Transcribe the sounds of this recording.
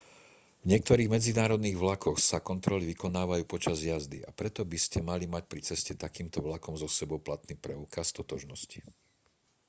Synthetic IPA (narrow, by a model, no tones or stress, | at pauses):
vɲɪɛk̚t̪ɔɾiːɣmɛd͡zinaːɾɔd̪niːɣʋlakɔxsakɔnt̪ɾɔliʋikɔnaːʋajuːpɔt͡ʃazjazd̪iʔapɾɛt̪ɔbiscɛmalimac̚pɾit͡sɛscɛt̪akiːmt̪ɔʋlakɔmzɔsɛbɔʊplat̪niːpɾɛʊkast̪ɔt̪ɔʒnɔsci